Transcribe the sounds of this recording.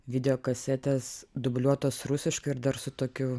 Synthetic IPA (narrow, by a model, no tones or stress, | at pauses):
ʋʲɪd̪ʲɛjoːkɐsʲɛt̪ʲesd̪ʊbʲlʲuɔt̪oːsɾʊsʲɪʃkɐɪɪɾd̪ɐɾsʊt̪oːkʲʊ